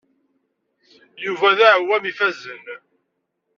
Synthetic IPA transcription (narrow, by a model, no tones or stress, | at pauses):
juvæðæʕwːæmifæzən